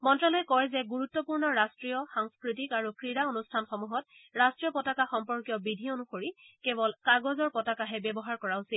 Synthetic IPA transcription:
mɔntɹalɔjɛkɔɹɛzɛɡuɹutːɔpuɹnɔɹastɹijɔxaŋskɹit̬ikaɹukɹiɹaonustʰanxɔmuɦɔt̚ɹastɹijɔpɔtakaxɔmpɔɹkijɔbidʱionuxoɹikebɔlkaɡɔzɔɹpɔtakaɦɛbɛbɔɦaɹkɔɹaʊsil

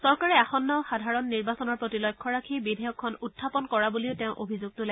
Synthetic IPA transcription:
sɔɹkaɹɛaxɔnːɔxadʱaɹɔnːiɹbasɔnɔɹpɹotilɔjkʰːɔɹakʰibidʱɛjɔkʰːɔnutʰːapɔnkɔɹabuliʊteʊ̃ʔobʱizuɡ̚tʊla

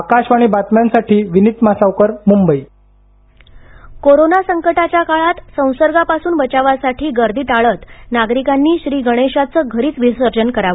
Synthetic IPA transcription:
akaɕaɽ̃ibat̪mjansaʈʰiːʋinit̪masawkəɾmumbəi | koɾonasəŋkəʈat͡ɕjakaɭat̪sə̃w̃səɾɡapasuːnbət͡ɕaʋasaʈʰiːɡəɾd̪ʱiːʈaɭət̪naɡɾikanːiːɕɾiːɡəɽ̃eɕat͡səːɡʱəɾiːt͡sʋisəɾd͡ʑənkəɾaə

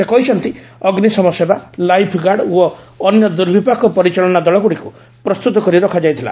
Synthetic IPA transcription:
sekɔɦit͡ʃʰɔnt̪iɔɡnisɔmɔsebalajpʰɡaɽɔː | njɔd̪uɾbʱipakɔpɔɾit͡ʃɔɭɔnad̪ɔɭɔbuɽiku | pɾɔst̪ut̪ɔkɔɾiɾɔkʰad͡ʒajt̪ʰila̰

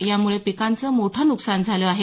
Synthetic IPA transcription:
jamuɭepikant͡səmoʈʰənuksand͡zʱaləaɦe

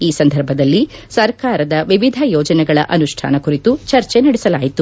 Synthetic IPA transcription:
iːsɐnd̪ʱɐɾbʱɐd̪ɐlːisɐɾkaːɾɐd̪ɐʋiʋid̪ʱɐjɔːd͡ʒɐnɛɡɐɭɐ̰ʔɐnuʂʈʰa̰ːnɐkuɾit̪ut͡ʃɐɾt͡ʃenɐɽɛsɐlaːjit̪u

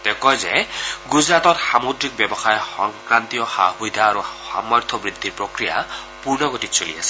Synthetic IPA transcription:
t̪ɛkɔjzɛɡuzɹat̪ɔtxamod̪ɾik̚bɛbɔxajɔxɔŋkɹant̪ijɔxa̰hujd̪ʱaːɾuxa̰maɹt̪ʰɔbɹid̪ʱːiɹpɹokɾija̰ | puɹnɔɡotit̪solḭa̰sʰɛ̥

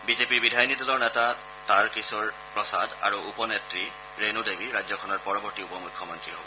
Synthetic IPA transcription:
bizepiɹbidʱajnidɔlɔɹnɛta | taɹkisɔɹ | pɹɔsad̪a̰ɹuupɔnetɹi | ɹenudebiɹajd͡ʑzɔkʰɔnɔɹpɔɹɔbɔɹtiupɔmukʰːɔmɔntɹiɦobɔ

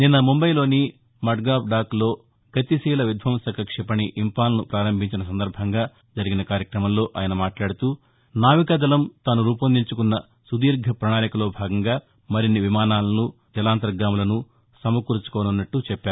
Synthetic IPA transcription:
ninːɐmumbɐjlo̞ːni | mɐʈɡaːp̚ɖaːklo̞ː | ɡɐt̪isiːlɐʋjud̪ʱʋɐmsɐkɐkʂɛpɐɳiʔimpaːlɐnupɾaːɾɐmbʱiɲt͡ʃinɐs̬ɐnd̪ɐɾbʱɐŋɡaː | d͡ʒɐɾiɡinɐkaːɾjɐkɾɐmɐmlo̞ːʔaːjɐnɐmaːʈlaːɽut̪uː | naːʋikɐd̪ɐlɐmt̪aːnuɾuːpɐnd̪ʱiɲt͡ʃukunːɐ | sud̪iːɾɡʱɐpɾɐɳaːjɐkɐlo̞ːbʱaːɡɐŋɡaː | mɐɾinːiʋimaːnaːlɐnu | d͡ʒɐlaːnt̪ɐɾɡaːmulɐnu | sɐmɐkuɾut͡ʃu̥kɔːnunːɐʈːut͡ʃɛpːaːɾu

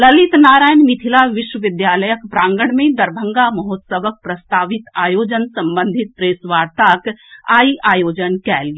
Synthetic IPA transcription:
lɐlit̪naːɾaːjnmɪt̪ʰilaʋɪʃwəʋɪd̪jaːləjəkbɾãːŋɡəɽ̃mẽd̪ɐɾbʱə̃ŋɡamɐɦoːt̪səʋək̚pɾɐst̪aːʋɪt̪aːjoːd͡ʒənsɐ̃mbə̃nd̪ʱɪt̪̚pɾeːsʋaːɾt̪akaːiʔaːjoːd͡ʒənkɛːli

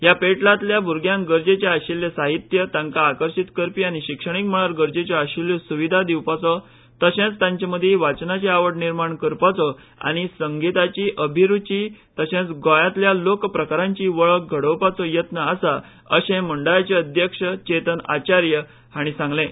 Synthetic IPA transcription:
ɦjapeʈlat̪ljabʱuɾɡjãŋɡəɾd͡ʑet͡ɕaaɕilːesaɦit̪jət̪ãŋkaːkəɾɕit̪kəɾpiaɽ̃iɕikʂəɽ̃ik̚m̤əɭ̃aɾɡəɾd͡ʑet͡ɕɔaɕilːsuʋid̪ʱad̪iwpat͡sɔ | t̪əɕẽt͡st̪ãɲt͡ɕaməd̪ʱːjeʋat͡snat͡ɕeaʋəʈniɾmaɳkəɾpat͡sɔ | a̰ɽ̃isəŋɡit̪at͡ɕiːʔəbʱiɾut͡ɕit̪əɕẽt͡sɡɔjat̪ljalokpɾəkaɾãɲt͡ɕiʋəɭək̚ɡʱəɽəwpat͡sɔjət̪nəasa | əɕẽmuɳɖajat͡ɕeəd̪ʱjəkʂət͡ɕet̪əna̰t͡ɕaɾjə | haɽ̃isãŋɡlẽ

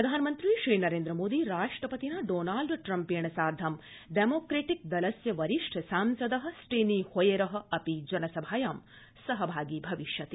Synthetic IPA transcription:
pɾɐd̪ʱaːnɐmɐnt̪ɾiʃɾiːnɐɾeːnd̪ɾɐmoːd̪iɾaːʂʈɾɐpɐt̪inɐɖoːnaːlɖʈɾɐmpeːɳɐsaːɾd̪ʱɐm | ɖemoːkɾeːʈik̚d̪ɐlɐsjɐʋɐɾiʂʈʰsaːmsɐd̪ɐɦɐ̆sʈeːniːhojeɾɐɦɐ̆ɐpid͡ʒɐnɐsɐbʱaːjaːm | sɐɦɐbʱaːɡiːbʱɐʋiʃjɐt̪i

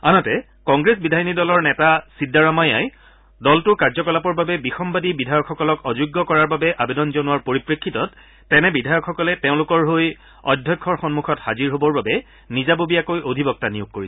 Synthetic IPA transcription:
anɔtɛ | kɔŋɡɹesbidʱajnidɔlɔɹnɛtasidːaɹamaja̰j | dɔltʊkaɹzɔkɔlapɔɹbabɛbixɔmbadibidʱajɔkxɔkɔlɔkɔzʊɡːɔkɔɹaɹbabɛʔabedɔnzonuwaɹpoɹipɹekʰːitɔtː | ɛnɛbidʱajɔkʰxɔkɔlɛteʊ̃lʊkɔɹɦoj | ɔ̰dʱjɔjkʰːɔɹxɔnmukʰɔtxaziɹɦobɔɹbabɛ | nizabobijakojʔodʱibɔk̚tanijuɡ̚koɹisɛ

